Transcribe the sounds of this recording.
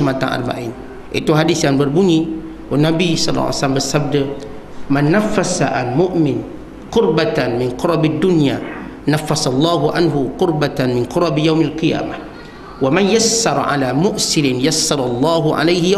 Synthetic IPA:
mat̪a̰nʔa̰rba̰ʔiːn | ʔḭt̪uɦadisjaŋbərbuɲi | wʊnabisɑl̰ːsalambəsab̚də | manːafːasaʔalmʊʔmɪn | qʊɾbat̪anmɪnqʊɾɑbad̪ːʊnja | nafːasalˤːɑːɦuʔanɦuqʊɾbat̪anmɪnqʊɾˤɑbjawmalqija̰ːma | wamanjasːɑɾˤʕa̰laːmʊʔsɪlɪnjasːɑɾˤɑlˤːɑːɦuʕa̰lejh

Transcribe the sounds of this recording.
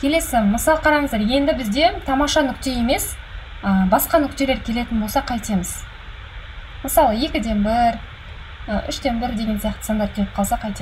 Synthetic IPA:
kʲʰe̞le̞sɪməsɑlˠəqʰɑɾɑɴəzd̪ɑɾje̞nd̪ɪbɪzd̪e̞t̪ʰɑmɑʃɑnʏkʲt̪e̞je̞me̞s | əbɑsqɑnʏkʲt̪e̞leɾkʲʰe̞le̞t̪ɪnbo̞lˠsɑqʰɑjt̪e̞mɪz̥ | məsɑlˠəje̞kʲɪd̪e̞nbɪɾ | əʔʏʃd̪e̞nbɪɾd̪e̞ɡʲe̞nsijɑqt̪ə̥sɑnd̪ɑɾkʲʰe̞lɪpqʰɑlˠsɑqʰɑjt̪e

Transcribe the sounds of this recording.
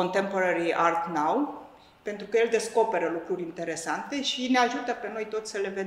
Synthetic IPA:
ont̪e̞mpoɾəɾiʔart̪naw | pe̞nt̪ɾukəje̞ld̪e̞sko̞pe̞ɾəlukɾurʲint̪e̞ɾe̞sant̪e̞ʃine̞aʒut̪əpe̞no̞jt̪o̞t̪sʲsəle̞ve

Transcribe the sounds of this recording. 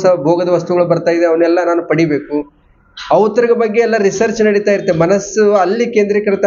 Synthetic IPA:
sɐbʱoːɡɐd̪ɐʋɐst̪uɡɐɭubɐɾt̪aːjid̪eɐʋɐnɛlːɐnaːnupɐɽibe̞ːku | ɐʋt̪ɐɾiɡɐbɐɡːeɛlːɐɾisɐɾt͡ʃnɐɽit̪aːjɾt̪ːemɐnɐsuɐlːikeːnd̪ɾikɐɾɐt̪ɐ

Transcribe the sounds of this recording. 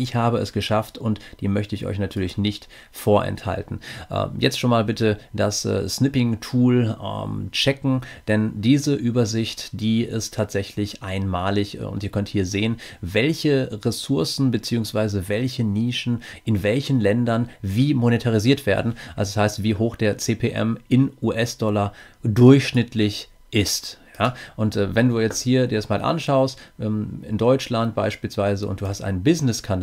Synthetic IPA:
ʔɪçhaːbəɛsɡ̥əʃaftʊntd̥iːmœçtəɪçʔɔ̰ʏçnatʰyːɐlɪçnɪçt | foːɐʔɛ̰ntha̰ltn̩ʔɛ̰mjɛt͡stʃoːnmaːlbɪtəd̥assnɪpɪŋtʰuːlmt͡ʃɛkŋ̩d̥ɛndiːzəʔyːbɐzɪçtd̥iːɪstʰːaːtz̥ɛçlɪçʔaɪnmaːlɪçʊ̰ntiːɐkʰœnthiːɐzeːənvɛlçəʁɛsʊɐsn̩bət͡siːʊŋsv̥aɪzəvɛlçəniːʃn̩ʔɪnvɛlçn̩lɛndɐnviːmonetʰaʁ̞iziːɐtv̥ḛːɐdn̩ʔalzoshaɪstv̥iːɦoːxd̥eːɐt͡seːpʰeʔɛ̰mʔɪnʔuːʔɛsd̥ɔladʊɐçʃnɪtʰlɪç | ʔɪstjaːʔʊntʔɛvɛnduːjɛt͡sthiːɐdiːɐɛsmaːlʔa̰nʃaʊstʔɛːmɪ̰ndɔʏt͡ʃlant̚b̥a̰ɪʃpiːlsv̥aɪzəʊ̰ntd̥uːhastʔa̰ɪnənbɪznɪskʰand

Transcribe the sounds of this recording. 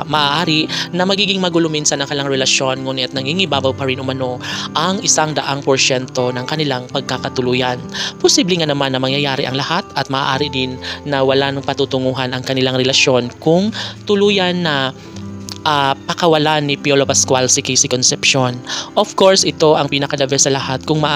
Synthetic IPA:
mɐʔaʔaːɾɪnɐmɐɡiːɡɪŋmɐɡʊlʊmɪnsɐnɐŋkɐlaŋɾɛlɐʃjo̞nŋuːnɪt̪̚nɐŋhiŋɪbaːbɐwpɐɾɪnʔʊmɐno̞ʔɐŋɪsaŋd̪ɐʔaŋpoɹʃɛnt̪o̞nɐŋkɐnɪlaŋpɐɡ̚kakɐt̪ʊluːjɐnposiːblɪŋanɐmanːɐmɐŋjɐjaːɾɪʔɐŋlɐhat̪ɐt̪̚mɐʔa̰ʔaːɾɪd̪ɪnːɐwɐlanpɐt̪ut̪ʊŋuːɦɐnɐŋkɐnɪlaŋɾɛlɐʃo̞nkʊŋt̪ʊluːjɐnːɐ | ʔapɐkɐwɐlanːɪpjolopɐskwalsɪkɛjsɪkonsɛpʃonʔofko̞ɹsʔɪt̪o̞ʔɐŋpiːnɐkɐd̪ɐbɛsɐlɐhat̪̚kʊŋmɐʔ

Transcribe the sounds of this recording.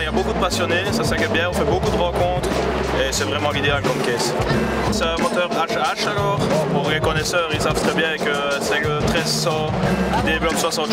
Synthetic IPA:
iljabokud̪əpasjɔnesasɛ̃kʲɛʁbjɛ̃ɔ̃fɛbokud̪əʁɑ̃kɔ̃t̪χ | esɛvʁɛmɑ̃lid̪ealkɔmkɛs | sɛmɔt̪œːʁaʃaʃalɔːʁpuʁlekɔnɛsœːʁilsav̥t̪χɛbjɛ̃kə | sɛlət̪χɛzsɑ̃ | d̪ebyɔ̃mswasɑ̃t̪

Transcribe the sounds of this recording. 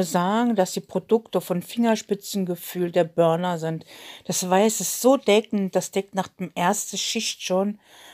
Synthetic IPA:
zaːɡŋ̩d̥asd̥iːpʁ̥odʊktəfɔnfɪŋɐʃpɪt͡sn̩ɡəfyːldeːɐbœɐnɐzɪntd̥asv̥aɪsɪstz̥oːdɛkn̩td̥asd̥ɛk̚tnaːχd̥eːmʔeːɐstəʃɪçtʃoːn

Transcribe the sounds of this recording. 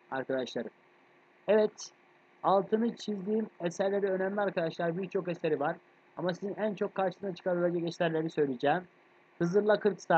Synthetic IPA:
aɾkad̪aʃlˠaɾɯm | ɛvɛt̪ | alˠt̪ʰɯnɯt͡ʃʰizd̪iːmesæɾlʲeɾɛø̞næmlʲiaɾkad̪aʃlˠaɾbiɾt͡ʃʰo̞keseɾivaɾ̥ | amasizinænt͡ʃʰo̞kʰːaɾʃɯsɯnat͡ʃʰɯ̥kʰabilʲed͡ʒɛcɛsʲæɾlʲeɾnisø̞jlʲid͡ʒɛːm | hɯzɯɾlˠakʰɯɾksaː

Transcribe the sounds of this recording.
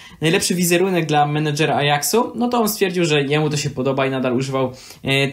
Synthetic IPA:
najlɛpʂɘvʲizɛɾunɛɡ̚d̪lamɛnad͡ʐɛɾaajaksunɔt̪ɔɔnst̪fʲjɛɾd͡ʑiwʐɛjɛmut̪ɔɕɛpɔd̪ɔbainad̪aluʐɘvaw

